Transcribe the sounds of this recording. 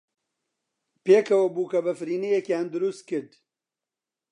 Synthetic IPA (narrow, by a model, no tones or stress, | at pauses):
peːkʰɐwɐbuːkɐbɐfɾiːnejekjaːnd̪ʊɾust̪̚kɨɾd̪